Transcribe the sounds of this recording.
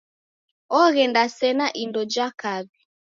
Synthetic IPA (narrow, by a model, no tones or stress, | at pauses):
ɔɣɛndasɛnaʔindɔd͡ʒakaβi